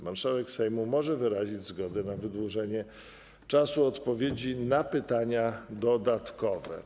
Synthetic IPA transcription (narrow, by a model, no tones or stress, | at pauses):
maɾʂawɛksɛjmumɔʐɛvɘɾaʑid͡ʑzɡɔd̪ɛnavɘd̪wuʐɛɲɛ | t͡ʂasuɔt̪pɔvʲjed͡ʑinapɘt̪aɲad̪ɔd̪at̪kɔvɛ̰